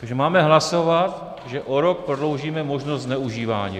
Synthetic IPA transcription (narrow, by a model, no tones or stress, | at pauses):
t̪aɡʒɛmaːmɛɦlaso̞vat̪ | ʒɛʔoɾo̞k̚pɾodlo̞wʒiːmɛmo̞ʒnost̪znɛuʒiːva̰ːɲḭː